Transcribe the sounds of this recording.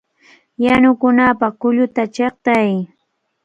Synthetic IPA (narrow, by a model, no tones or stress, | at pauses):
janʊkʊnapɑkʊʎʊt̪at͡ʃeχt̪aj